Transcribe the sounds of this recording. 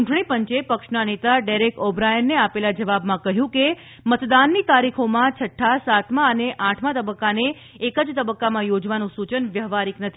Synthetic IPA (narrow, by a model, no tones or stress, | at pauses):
t͡ʃuʈɽ̃ipəɲt͡ʃepəkʂnanet̪aɖeɾekobɾajənːeapelad͡ʒəʋabmãkəɦjũke | mət̪d̪anːit̪aɾikʰomãt͡ʃʰəʈʰːasat̪mãəneʔãʈʰmãt̪əbəkːaneː | kəd͡ʒt̪əbəkːamãjod͡ʒʋanũsut͡ʃənʋjəɦʋaɾiknət̪ʰi